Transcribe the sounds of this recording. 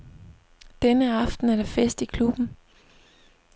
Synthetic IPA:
d̥enəɑ̈fd̥n̩æɐɾ̥efesd̥ikʰlub̥n̩

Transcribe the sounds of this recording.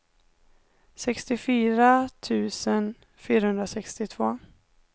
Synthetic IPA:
sɛkst̪ɪfyːɾat̪ʰʉ̟ːsən | fyːɾahɵnd̪ɾasɛkst̪ɪt̪ʰv̥oː

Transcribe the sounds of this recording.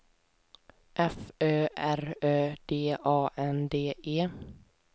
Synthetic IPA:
ʔɛføːʔæɾøːd̪̥eːʔɑːʔɛnd̪eːʔeː

